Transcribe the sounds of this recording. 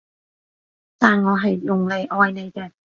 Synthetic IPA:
t̪aː˨˩nŋɔː˨˧ɦɐ˨jːʊ˨˩ŋle˨˩jʔɔː˧jne˨˧jkɛː˧

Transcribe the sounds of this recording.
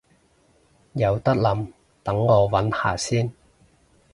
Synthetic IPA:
jɐ˨˧wt̪ɐ˥k̚lɐ˨˧m | t̪ɐ˨˥ŋɔː˨˧wɐ˨˥nha̰ː˨˩siː˥n

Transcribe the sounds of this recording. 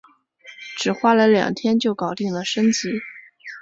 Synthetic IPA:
ʈ͡ʂɻ̩˨˩xwa˥lə˧˥ɪljɑ̰˨˩ŋt̪ʰjɛ˥nt͡ɕjo˥˩ʊkɑ˨˩ʊt̪i˥˩ŋlə˩ʂə˥ŋt͡ɕi˧˥

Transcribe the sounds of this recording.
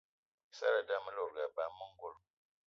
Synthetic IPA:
sa̰˦ɾa˨da˦mə˦lo˨ɡa˨ba˨˦mːə˦ŋ˦ɡo˦l

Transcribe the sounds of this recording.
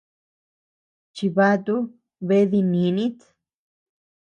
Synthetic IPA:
t͡ʃi˧βa˦t̪u˦ | βe˧˦ði˧nĩ˨˦nĩ˦t̪

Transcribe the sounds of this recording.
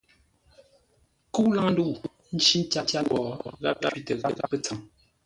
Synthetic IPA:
ku˦la˦ŋ˦n̩˦du˦˨ʔ | n̩˦t͡ʃi˦n˦t͡ʃa˦t͡ʃa˦ɔ˨ɣa̰˦p̚ɣa˦pi˨tə˨ɣa˦˨ɣa˦pːə˦t͡sə˨ŋ

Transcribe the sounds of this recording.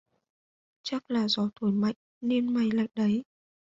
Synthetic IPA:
t͡ɕa˦˥k̚laː˨˩zɔ˨˦t̪ʰo˧˩jma̰˧˨jŋ | ne˧nma˨˩jla̰˧˨jŋɗə˨˦j

